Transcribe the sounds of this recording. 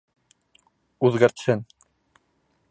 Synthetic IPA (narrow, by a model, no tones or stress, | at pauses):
ʉðɡæɾt̪hɘn